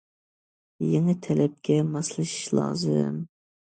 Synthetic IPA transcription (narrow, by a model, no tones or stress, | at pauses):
jeŋɪt̪ʰɛlɛp̚kʲʰɛmɑslˠɨʃi̥ʃlˠɑ̰ːzɨ̰m